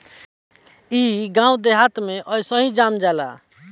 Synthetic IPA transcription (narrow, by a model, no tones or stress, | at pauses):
iɡãũd̪eɦat̪meʔʌjsəɦid͡ʒamd͡ʒala̰